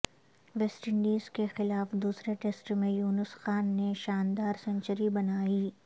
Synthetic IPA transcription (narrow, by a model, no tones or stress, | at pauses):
ʋɛsʈəɳɖiːzkexɪlaːfd̪uːsɾeʈeːsʈmẽjuːnəsxaːnːeʃaːnd̪aːɾsɐ̃ɲt͡ʃəɾibɐnaːiː